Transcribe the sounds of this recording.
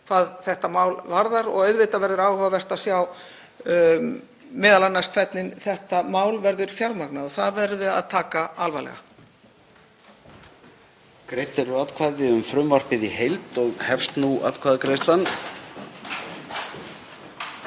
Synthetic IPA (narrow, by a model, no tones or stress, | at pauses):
θaðθɛht̪amaːwlvaɾðaɾɔ̰ɣœɥðvɪjt̪avɛɾðʏɾaːwhʏvavɛr̥t̪asjaw | mɛːðalanːaskʰv̥ɛt̪nɪnθɛht̪amaːwlvɛɾðʏɾ̥fjawɾmaknaðɔθaðvɛɾðʏa̰ðt̪ʰaːkaalvajlɛ̰ɣa̰ | kɾejht̪ɛɾʏat̪kʰvaːðɪʏmfɾʏmvaɾ̥pɪðihejlt̪ɔɣhɛfst̪nua̰t̪kʰvaːðɪkɾejst̪lanː